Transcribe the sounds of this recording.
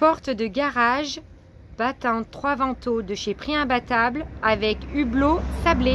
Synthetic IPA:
pɔʁt̪d̪əɡaʁaʒ | b̥at̪ɑ̃t̪χwavɑ̃t̪od̪əʃepχiɛ̃bat̪ablavɛkyblosable

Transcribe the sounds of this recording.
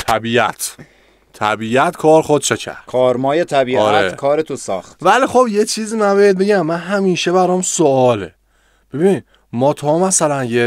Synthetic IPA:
t̪ʰæbiːʔæ̰t̪ʰ | t̪ʰːæ̰biːʔæt̪kʰɒːɾxod̪̚ʃecʰæ̰ɾd̪kʰɒːɾmɒːjet̪ʰæbiːʔɾæekʰɒːɾet̪ʰosɒ̰ːxt̪vælixobjet͡ʃʰiːziːmænbejed̪̚be̞ɟæmːænɦæmiːʃebæɾɒmsoɒːlḛ | b̥e̞biːnid̪ | mɒːt̪ʰɒːmæsælænje

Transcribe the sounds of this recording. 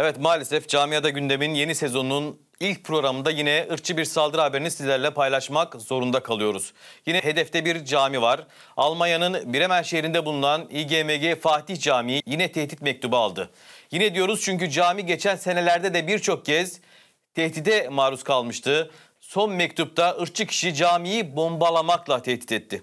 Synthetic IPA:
evɛt̪maːlʲesɛfd͡ʒaːmijad̪aɟynd̪e̞minje̞nise̞zo̞nunun | ilʲc̚pʰɾo̞ɡɾamɯnd̪ajinɛɯɾt͡ʃʰɯbiɾsalˠd̪ɯɾɦabeɾinisizlʲæɾlʲɛpajlˠaʃmakzo̞ɾund̪akʰalˠɯjo̞ɾuz̥jinɛɦe̞d̪ɛft̪ɛbiɾd͡ʒaːmivaɾ | alˠmanjanɯnbiɾemænʃejɾind̪ɛbulˠunˠaniɟeːmeɟefaːt̪içd͡ʒaːmijijinɛt̪ʰɛht̪it̪mɛc̚t̪ʰubalˠd̪ɯ | jinɛd̪ijo̞ɾuz̥t͡ʃʰyɲcyd͡ʒaːmiɟe̞t͡ʃʰænse̞ne̞lʲæɾd̪ɛd̪ɛbiɾt͡ʃʰo̞k̚cʰɛz̥ | t̪ʰɛht̪id̪ɛmaːɾuskʰalˠmɯʃt̪ʰɯ | so̞nmɛc̚t̪ʰup̚t̪ʰaʔɯɾ̚t͡ʃʰɯcʰi̥ʃid͡ʒaːmijibo̞mbalˠamaklˠat̪ʰɛht̪i̥t̪ɛt̪ʰːɪ

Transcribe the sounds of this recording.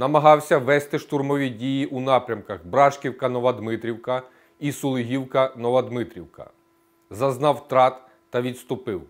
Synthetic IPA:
nɐmɐɦɑwsʲɐʋɛst̪ɪʃt̪urmɔʋʲidʲijiʔunɑpɾʲɐmkɐxbɾɑʃkʲiwkɐnɔʋɐd̪mɪt̪ɾʲiwkɐ | isʊlˠɪɦʲiwkɐnɔʋɐd̪mɪt̪ɾʲiwkɐ̰ | zɐznɑwt̪ɾɑt̪ː | ɐʋʲit̪st̪ʊpɪw

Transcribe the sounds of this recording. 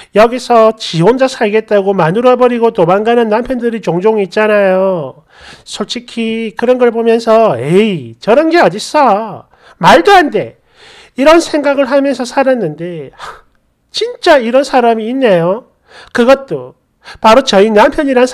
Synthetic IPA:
jʌɡisʰʌt͡ɕiond͡ʑasʰaɭɡe̞t̚t͈aɡomanuɾʌbʌɾiɡotomanɡanɯnːampʰjʌndɯɾit͡ɕoŋd͡ʑoŋit̚t͡ɕ͈anajo | sʰoɭt͡ɕʰikʰikɯɾʌnɡʌɭbomjʌnsʰʌet͡ɕʌɾɯnɡe̞ʌd͡ʑis͈ʌ | maɭduɦande̞ | iɾʌnsʰe̞ŋɡaɡɯɭɦamjʌns̬ʰʌsʰaɾanːɯnde̞ | t͡ɕint͡ɕ͈aiɾʌnsʰaɾamiːnːejo | kɯɡʌt̚t͈o | paɾot͡ɕʌinampʰjʌɲiɾann

